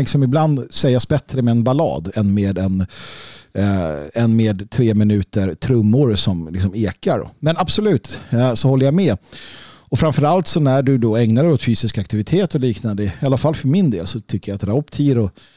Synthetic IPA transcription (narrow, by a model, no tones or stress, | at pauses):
ɪksɔmɪbland̪sɛjːasbɛt̪ɾəmɛɛnbalɑ̰ːd̪ɛnmeːd̪ɛn | ɛnmeːd̪t̪ʰɾeːmɪnʉ̟ːt̪əɾt̪ʰɾɵmːʊɾsɔmlɪ̰ksɔmeːkaɾ̰mɛnabsɔlʉ̟ːt̪sɔhɔlːəjamɛ | ɔfɾaɱfœɾalt̪sɔnæɖɵd̪ɔɛŋnaɾɛɔt̪fyːsɪskakt̪ɪvɪt̪ʰeːt̪ɔliːknand̪əalːafalːfœɾmɪnd̪eːlsɔt̪ʰʏkːəɾjaat̪ɾaʊpt̪ʰiːɾʊ